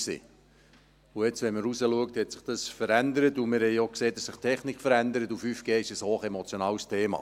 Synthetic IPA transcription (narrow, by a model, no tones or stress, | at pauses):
sḭː | uɛt͡sʋɛnməɾusəluək̚thɛtsɪ̥χd̥ɑsfəɾændəɾətumɪɾhɛjokseːdɑsːɪχtʰɛχnikfəɾænd̪əɾətufyfɡ̥eːɪʃəshoːχɛmɔt͡sjonɑːwstʰeːmɑ̰ː